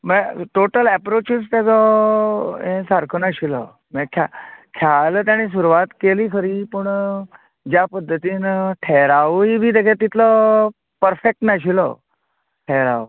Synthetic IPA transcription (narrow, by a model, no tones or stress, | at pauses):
məʈoʈəlɛpɾot͡ɕist̪jat͡sɔ | ẽsaɾkʰənaɕilə̰ | mɛkʰakʰjalət̪jaɽ̃is̬uɾuʋat̪keliːkʰəɾiːpəɳ | d͡ʑjapəd̪ʱːət̪iːnʈʰeɾaʋibʱiːd̪ekʰet̪it̪lə | pəɾfek̚ʈnaɕ̬ilə̰ | ʈʰeɾa̰ʋ